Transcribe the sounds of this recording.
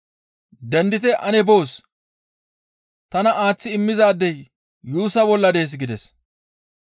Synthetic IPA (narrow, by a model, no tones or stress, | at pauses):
d̪ɛnd̪ɪt̪ɛʔɐnɛbo̞ːs | t̪ɐnɐaːt͡sːɪɪmːɪzaːd̪ːɛjː | uːsɐbɔlːɐd̪eːs̬ɡɪd̪ɛs